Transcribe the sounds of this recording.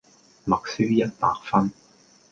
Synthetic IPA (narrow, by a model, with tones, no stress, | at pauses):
mɐ˨k̚syː˥jɐ˥t̚pa̰ː˨˧k̚fɐ˥n